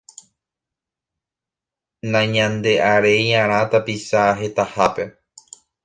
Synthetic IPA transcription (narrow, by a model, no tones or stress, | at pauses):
nãɲãnd̪e̞ʔaɾe̞jãɾ̃ãt̪apisaɦe̞t̪ahape̞